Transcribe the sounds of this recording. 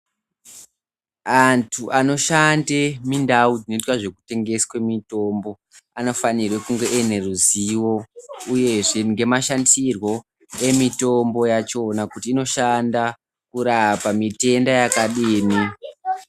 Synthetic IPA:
antʰuʔano̞ʃandemindaud͡zino̞itwaʐe̞ku̥te̞ŋɡe̞skwe̞mito̞mbo̞ | ano̞fanirwekuŋɡe̞ʔene̞ruziwo̞uje̞ʐeŋɡe̞maʃandirwo̞ | e̞mito̞mbo̞jat͡ʃo̞nakutiːno̞ʃanda | kuɾapamite̞ndajakaɗiːmi

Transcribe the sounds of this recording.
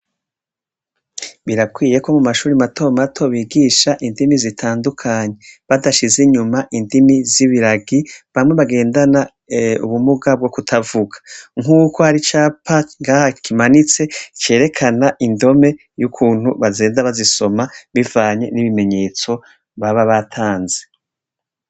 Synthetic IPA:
βiɾakwiːje̞ko̞mumaʃuːɾimatʰo̞matʰo̞βiːɡiːʃaʔindimizitʰaːndukʰaːɲeβadaʃizeɲumaʔindimiziβiɾaɡiβamŋe̞βaɡe̞ːndana | ṵβumuɡab̚ɡokutʰavuɡḁŋuːko̞haɾit͡ʃaːpʰaŋɡahakʰimanit͡se̞t͡ʃe̞ːɾe̞kʰanaʔindo̞me̞ | jukʰuːn̥huβazeːndaβaziso̞maβivaːɲe̞niβime̞ɲe̞ːt͡so̞ | βaβaβatʰaːnze

